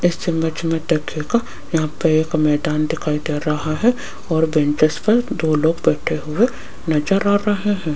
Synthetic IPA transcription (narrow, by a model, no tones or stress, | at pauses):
ɪsːembɐt͡ʃmẽt̪ekʰeka | jɐɦãpɐeːkmɛːd̪aːnd̪ɪkʰaːid̪eːɾɐɦaɦɛ | ɔːɾbɛ̃nt͡ʃəspɐɾd̪oːloːɡbɛːʈʰeɦʊe | nɐd͡ʒəɾaːɾɐɦeɦɛ̃ː